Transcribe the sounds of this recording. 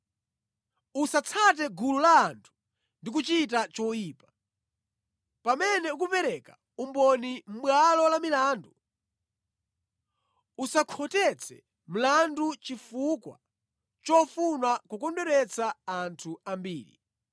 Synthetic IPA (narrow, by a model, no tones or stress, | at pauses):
usat͡sʰat̬ɛɡululaːntʰu̥ | ndik̬ut͡ʃit̬at͡ʃɔjiːpḁ | pamɛnɛuk̬upɛɾɛka | umbɔnim̩ɓwalɔlamilaːndu | usakʰɔtɛt͡sʰɛ̰ | m̩landut͡ʃifukwa̰ | t͡ʃɔfunakukɔndɛɾɛt͡sʰaːntʰuambiːlḭ